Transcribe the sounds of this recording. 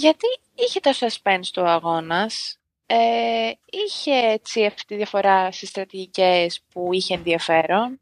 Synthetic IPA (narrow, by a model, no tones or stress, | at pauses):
ʝɐt̪i | içe̞t̪osɐspenst̪oɐɣo̞nɐs | e | içe̞et͡siɐft̪i̥t̪iðʝɐfo̞ɾɐst̪ist̪ɾɐt̪iʝicespuiçeːnðiɐfe̞ɾo̞n